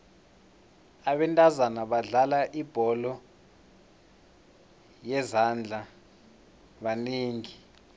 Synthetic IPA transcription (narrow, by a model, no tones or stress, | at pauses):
aɓɛntʼazanaɓaɮalaʔib̥ʱɔlɔ | jɛzand͡ɮʱa | ɓaniːŋi